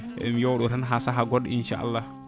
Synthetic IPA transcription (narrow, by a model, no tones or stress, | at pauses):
ɛmjɔwɗɔtanɦasaɦaɡɔdinʃa̰ːʔa̰lːah